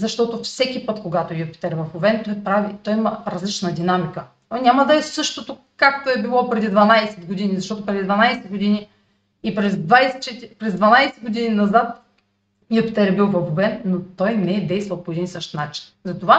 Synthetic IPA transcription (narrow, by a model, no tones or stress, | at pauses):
zɐʃt̪ɔt̪ofsɛkʲipɤt̪koɡat̪oɛjopi̥t̪ɛɾɛvɐfovɛnt̪ɔjpɾavit̪ɔjimɐɾɐzlit͡ʃnəd̪inamikə | nʲamɐd̪ɐɛsɤʃt̪ot̪o | kakt̪oɛbilˠɔpɾɛd̪id̪vɐnajsɛd̪ɡod̪inizɐʃt̪ɔt̪opɾɛd̪id̪vɐnajsɛɡod̪ini | ipɾɛzd̪vajsɛt͡ʃɛt̪pɾɛzd̪vɐnajsɛd̪ɡod̪ininɐzat̪̚ | jopi̥t̪ɛɾɛbilˠvɐxovɛnːot̪ɔjnɛɛd̪ɛjst̪vɐlˠpoɛd̪insəʃt̪nat͡ʃi̥nzɐt̪ova